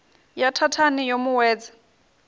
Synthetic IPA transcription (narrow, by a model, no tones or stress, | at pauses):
jatʰatʰanijomuwɛːd͡za